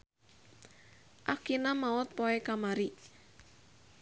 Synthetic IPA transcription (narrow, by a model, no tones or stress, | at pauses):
ʔakinamaʊt̪̚pɔekamaɾiʔ